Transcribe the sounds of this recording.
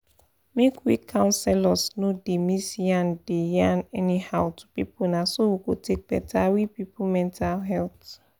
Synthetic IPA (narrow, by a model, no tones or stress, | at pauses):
mekwikʰːãʊ̃nsɛlɔsnodemisiãndejanɛnihaʊtʰu̥pḭpʰunasowiɡotʰek̚b̥ɛ̰tʰawipipʰumɛ̃ntʰalɦɛlt